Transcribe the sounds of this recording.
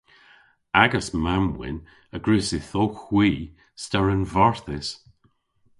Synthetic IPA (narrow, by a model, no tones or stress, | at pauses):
aɡəsmamwɪ̰n | əɡɹʉsɪθoxwiː | staɹənvɔɹθɪs